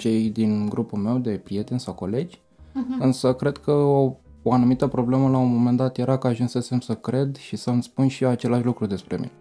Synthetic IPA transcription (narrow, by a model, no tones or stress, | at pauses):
t͡ʃe̞jd̪inɡɾupulme̞wd̪e̞pɾije̞t̪e̞nʲsawko̞le̞d͡ʒʲ | ɨnsəkɾe̞d̪kʰəo | oanumit̪əpɾo̞ble̞məlaunmo̞me̞nd̪at̪jeɾakəaʒunse̞se̞msəkɾe̞d̪ʃisəmspunʃiat͡ʃe̞laʃlukɾud̪e̞spɾe̞mḭḛ